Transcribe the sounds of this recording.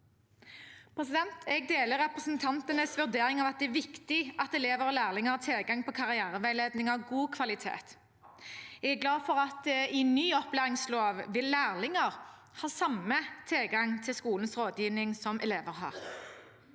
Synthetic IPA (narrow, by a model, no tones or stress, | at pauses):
pʰʁɛsɪd̪ɛnt̪ʰɛɡ̚d̪eːləɾʁɛpʁəsnt̪ʰɑnt̪ənəsʋʉʁd̪eːʁɪŋɑʋɑt̪̚d̪ɛæʋɪkt̪ɪʔɑt̪ɛleːʋəɾɔlæːʁlɪŋəɑt̪ʰɪlɡɑŋpʰɔkʰɑʁɪæːʁəʋæɪleːd̪nɪŋɑʋɡuːkʰʋɑlɪt̪ʰḛːt̪ | ɛɡæɡlɑːfɔʁɑt̪̚d̪ɛɪnyːɔplæːʁɪŋsloːʋʋɪlːæːʁlɪŋəʁ | hɑːsɑmət̪ʰɪlɡɑŋt̪ʰɪlskuːln̩sʁoːd̪jiːʋnɪŋsɔmʔɛ̰leːʋəʁɦɑ̰ːʁ